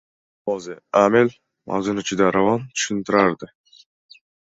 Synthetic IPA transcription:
ɒzɪamel | mʔa̰wzɪnɪt͡ʃʰɪd̪aɾavɒnt̪ʰʊ̥ʃɪnt̪ɪɾaɾd̪ɪ

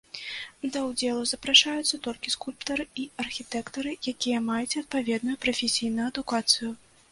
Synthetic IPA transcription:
d̪ɐwd͡zʲɛlˠuzɐpɾaʂajut̪sːɐt̪ɔlʲkʲiskulʲpt̪ɐɾɨiɐrxʲit̪ɛkt̪ɐɾɨjakʲijɐmajut͡sʲɐt̪̚pavʲɛd̪nujupɾɐfʲesʲijnujuɐd̪ukat̪sɨju

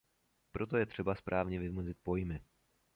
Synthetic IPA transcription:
pɾʔo̞t̪o̞jɛt̪r̝̥ɛbaspɾʔaːvɲɛvɪmɛzɪt̪̚po̞jmɪ

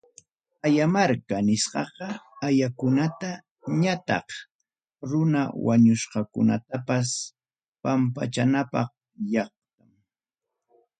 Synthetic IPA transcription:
ajamaɾkanɪsqɑqɑajakʊnat̪a | ɲat̪ɑ̰χ | ɾʊnawaɲʊʃqɑkʊ̰na̰t̪apas | pampa̰t͡ʃanapɑ̰χ | jɑχt̪am

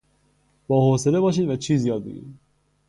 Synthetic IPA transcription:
b̥ɒːhoːsele̞bɒːʃ̬iːd̪væt͡ʃʰiːzijɒːd̪̚bḛḭd̪

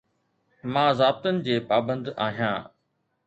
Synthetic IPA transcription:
mãːzaːb̚t̪ənɪ̆d͡ʑeːpaːbə̃nd̪aːɦijãː

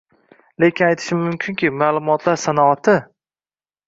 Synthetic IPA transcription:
le̞kʲʰɪnajt̪ʰɪ̥ʃɪmʊmkʲʰʊŋkʲʰimaːlˠʊmɒt̪ʰlaɾsanɒat̪ʰɪ

